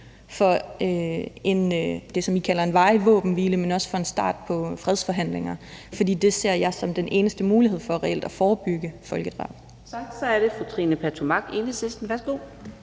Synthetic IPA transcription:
fɒ̽øe̝nd̥e̝sɒ̽mikʰælɐe̝nʋɑ̈ɪʋɔ̰ːb̥n̩ʋiːləmenɒ̽sə̥fɒ̽e̝nsd̥ɑ̰̈ːd̥̚pʰɒ̽fʁɛð̞ˠsfɒ̽ɦæn̰le̝ŋɐfɒ̽d̥ḭːd̥e̝se̝ɐ̰jɑ̈ɪsɒ̽md̥enʔe̝ːnəsd̥əmuːliɦe̝ð̞̰ˠfɒ̽æʁɛel̰d̥æfɒːb̥yɡ̥əfɒ̽lɡ̥əd̥ʁɑ̈ːb̥ | sɑ̈ɡ̥̚d̥sɒ̽æɐɾe̝fʁut͡sʰʁinəpʰæt͡sʰumɑ̈ɡ̥e̝nəisesd̥n̩ʋæɐsɡ̥o̝̰ː

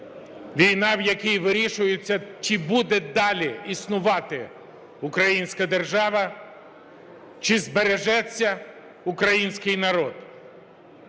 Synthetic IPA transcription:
ʋʲijnɑwjɐkʲijʋɪɾʲiʃʊjɪt͡sʲːɐt͡ʃɪbud̪ɛd̪ɑlʲiisnʊʋɑt̪ɪ | ʊkɾɐjinʲsʲkɐd̪erʒɑʋɐ | t͡ʃɪzbeɾeʒɛt͡sʲːɐ | ʊkɾɐjinʲsʲkɪjnɐɾɔd̪̥

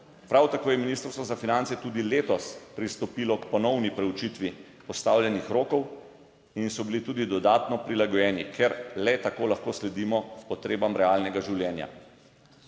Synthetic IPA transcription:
pɾawt̪akoːjɛminiːst̪ɾst̪ʋɔzafinant̪sɛt̪ud̪ileːt̪ɔspɾist̪ɔpiːlɔkpɔnɔwnipɾɛut͡ʃit̪ʋi | pɔst̪aːwlʲjɛnixɾoːkɔw | insɔbilit̪uːd̪id̪ɔd̪aːt̪nɔpɾilaɡɔjɛːnikʰɛɾlɛt̪akoːlaxkoːslɛd̪iːmɔpɔt̪ɾeːbamɾɛalnɛɡaʒiwljɛːnja̰

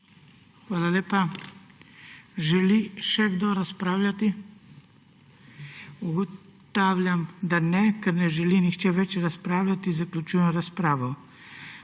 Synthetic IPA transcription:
xʋaːlaleːpa | ʒɛliʃɛɡd̪oɾaspɾaːwlʲjʲat̪i | uɡɔt̪aːwlʲjamd̪anɛkɛɾnɛʒɛlinixt͡ʃɛʋɛt͡ʃɾaspɾaːwlʲjat̪izaklʲut͡ʃuːjɛmɾaspɾaːʋɔ

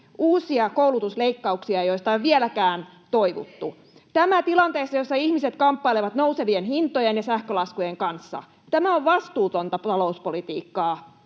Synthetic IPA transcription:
ʔuːsiɑkouwlut̪usleikːɑuksiɑjoist̪ɑeʋʋielækæːn | t̪oiʋṵt̪ːu | t̪æmæt̪ilɑnt̪eːsːɑjosːɑihmiset̪kɑmpːɑileʋɑt̪nouseʋienɦint̪ojenjɑsæhkølɑskujeŋkɑnsːɑ̰ | t̪æmæoʋʋɑst̪uːt̪ont̪ɑp̪ɑlouspolit̪ḭːkːɑː

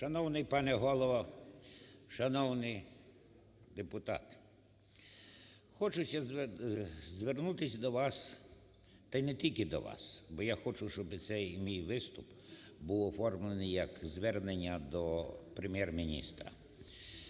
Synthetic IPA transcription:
ʃɐnɔwnɪjpɑnɛɦɔlˠɔʋɐ | ʃɐnɔwnɪj | d̪epʊt̪ɑ̰t̪ | xɔt͡ʃʊsʲɐz | zʋernut̪ɪsʲd̪ɔʋɑs | t̪ɐjnɛtʲilʲkɪd̪ɔ̰ʋɑ̰sbɔjaxɔt͡ʃʊʃt͡ʃɔbɪsɛjmʲijʋɪst̪ʊp | buwɔfɔrmlˠenɪjɐkzʋɛrnenʲːɐd̪ɔpɾemʲjɛrmʲinʲḭst̪ɾɐ̰

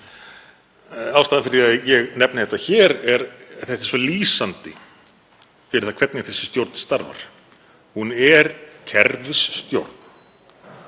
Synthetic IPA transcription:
aːwst̪aðanfɪɾθiaðjɛɣnɛp̚nɪθɛht̪açɛːɾɛɾθɛht̪ɛ̥sɔliːsant̪ɪ | fɛɾɪθakʰvɛt̪nɪθɛsːɪ̥st̪jowɾt̪n̥st̪aɾva̰ɾ̥ | hunɛɾcʰɛɾvɪsːt̪jo̰wɾ̥t̪n̥

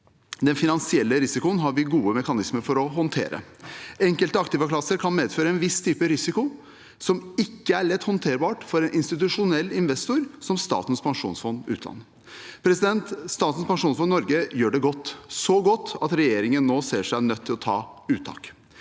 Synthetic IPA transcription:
d̪ɛnfɪnɑnsɪɛlːəɾɪsɪkʊənɦɑɾʋɪɡuːəmɛkɑnɪsməɾfɔɾɔɦɔnt̪ʰḛːɾə̰ɛŋkəlt̪əɑkt̪ɪʋəkʰlɑsːəɾkʰɑnmeːd̪føːɾəɛnʋɪst̪ʰyːpəɾɪsɪkʊ | sɔmɪkːəæɭɛt̪ːhɔnt̪ʰeːɾbɑːʈfɔɾɛnʔɪnst̪ɪt̪ʉʂʊnɛlːɪnʋɛst̪ʊɾsɔmst̪ɑ̰ːt̪ən̩spʰɑŋʂṵːnsfɔnd̪ʉ̰ːt̪ʰlɑ̰nːə | pʰɾɛsɪd̪ɛnt̪st̪ɑːt̪n̩spɑŋʂuːnsfɔnnːɔɾɡəjøːɖɛɡɔt̪ːsɔɡɔt̪ːɑt̪ɾɛjeːɾɪŋənːoːseːʂænœt̪ʰːɪlɔt̪ʰɑ̰ːʉːt̪ʰɑ̰ːk

